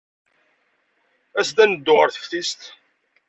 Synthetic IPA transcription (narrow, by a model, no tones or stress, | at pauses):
æst̪ænəd̪ːʊʁəɾθə̥fθist̪